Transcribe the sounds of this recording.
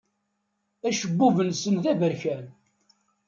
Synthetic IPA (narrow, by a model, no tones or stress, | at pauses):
æʃəbːuvənsənðævəɾçæn